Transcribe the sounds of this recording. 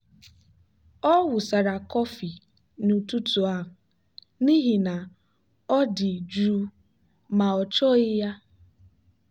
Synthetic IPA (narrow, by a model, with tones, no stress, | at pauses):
ɔ˦wʊ˨sa˨ɾa˨kɔ˦fi˨ | nu˨tu˦tu˨a˦ɦʊ˨ | ni˦ɦi˨na˨ | ɔ˦dɪ˨d͡ʒɾu˦ | ma˨ɔ˨t͡ʃɔ˦ɪ˦ja˦